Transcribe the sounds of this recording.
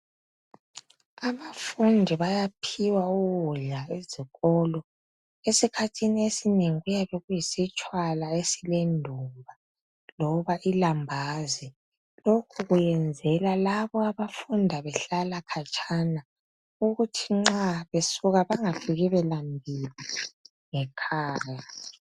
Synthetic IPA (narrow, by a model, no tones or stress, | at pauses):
aβafundʱiβajapʰiwauɣuɮaeziɣɔlɔ | esikʰatʰiniesineŋiɣujaβɛɣujisit͡ʃʼwalaesilendʱumbʱa | lɔβaʔilambʱaːzi | lokʰuɣujɛnd͡zʱɛlalaβɔaβafundʱaβɛɬalakʰat͡ʃʼʰana | uɣutʰiŋ͡ǁaβesuɣaβaŋafiɣiβɛlambʱili | ŋɛkʰaːja